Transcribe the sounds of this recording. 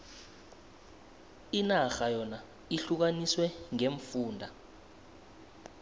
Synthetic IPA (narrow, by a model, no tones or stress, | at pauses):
inaxajɔna | iɬuk̬aniswɛŋeɱfuːndʱa